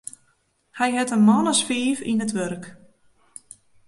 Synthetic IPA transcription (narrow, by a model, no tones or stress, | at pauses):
hɛjɦɛtənmɔnəsfiːfḭnətʋørk